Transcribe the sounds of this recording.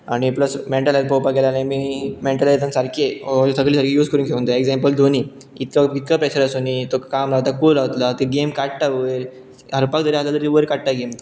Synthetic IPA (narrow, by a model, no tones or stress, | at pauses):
aɽ̃ipləsmeɳʈalajd̪̚popaɡelanãmimeɳʈalat̪ənsaɾkʰesəɡliːsaɾkʰejuːd͡zkəɾuːnkʰeʋnd̪əekd͡zɛ̃mpəld̪ʱoniː | it̪kait̪kapɛɕəɾasunit̪okamɾat̪akulaʋt̪lat̪eɡemkaʈʈaʋəɾ | ɦəɾpak̚d̪əɾialad̪əɾiʋəɾkaʈʈaɡemt̪